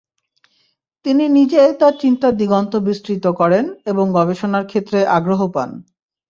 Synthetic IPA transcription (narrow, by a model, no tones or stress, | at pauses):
t̪ininid͡ʑet̪aɾt͡ɕint̪ad̪iɡont̪obisʈɾit̪okɔɾeneboŋɡɔbeʃonaɾkʰet̪ːɾeʔaɡɾoɦopa̰n